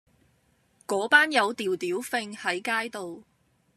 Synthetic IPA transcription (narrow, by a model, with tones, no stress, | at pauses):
kɔː˨˥paː˥njɐ˨˧wt̪iː˨wt̪iː˨˥wfɪ˧ŋhɐ˨˥jkaː˥jt̪o˨w